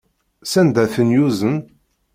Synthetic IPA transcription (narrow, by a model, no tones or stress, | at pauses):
sænd̪æθənjuzən